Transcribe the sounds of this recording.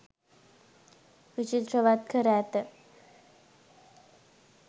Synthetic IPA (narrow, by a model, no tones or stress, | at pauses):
ʋit͡ɕit̪ɾəʋat̪̚kʰəɾat̪ə